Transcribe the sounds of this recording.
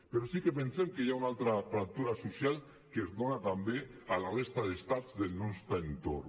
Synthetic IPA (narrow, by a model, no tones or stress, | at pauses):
peɾosikepensemkejaunalt̪ɾafɾak̚t̪uɾasusjal | kezðonat̪ambealarest̪aðest̪azðelnɔst̪ɾaent̪o̰r